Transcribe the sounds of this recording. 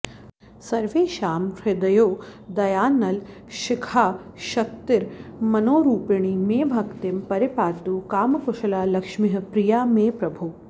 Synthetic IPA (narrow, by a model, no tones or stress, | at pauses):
sɐɾʋeːʃaːmɾɪd̪ɐjoːd̪ɐjaːnːɐl | ʃɪkʰaː | ʃɐk̚t̪ɪɾmɐnoːɾuːpiɳ̃imeːbʱɐkt̪impɐɾipaːt̪uːkaːmɐkʊʃɐlaːlɐkʂmiɦɐ̆pɾijaːmeːpɾɐbʱuː